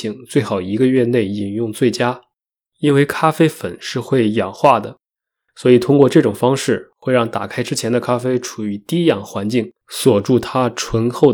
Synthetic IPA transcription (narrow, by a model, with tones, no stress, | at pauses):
i˧˥ŋt͡swe˥˩ɪxɑ˨˩ʊi˧˥ɡə˧ɥɛ˥˧ne˥˩ɪi˨˩njʊ˥˧ŋt͡swe˥˩ɪt͡ɕja˥ | i˥nwe˥˧ɪkʰa˥fe˥ɪfə˨˩nʂɻ̩˥˧xwe˥˩ɪjɑ˨˩ŋxwa˥˩d̪ə˩ | swɔ˧˥i˨˩t̪ʰʊ˥ŋkwɔ˥˧ʈ͡ʂɤ˥˩ʈ͡ʂʊ˨˩ŋfɑ˥ŋʂɻ̩˥˩xwe˥˧ɪɻɑ˥˩ŋt̪a̰˨˩kʰa˥ɪʈ͡ʂɻ̩˥t͡ɕʰjɛ˧˥nd̪ə˧kʰa˥fe˥ɪʈ͡ʂʰu˨˩y˧˥t̪i˥jɑ̰˥˩ŋxwa˧˥nt͡ɕi˥˩ŋ | swɔ˨˩ʈ͡ʂu˥˩t̪ʰa˥ʈ͡ʂʰwə˧˥nxo˥˩ʊ